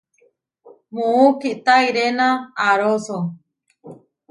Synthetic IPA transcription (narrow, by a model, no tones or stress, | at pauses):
mũukiʔt̪aiɾenãːɾoso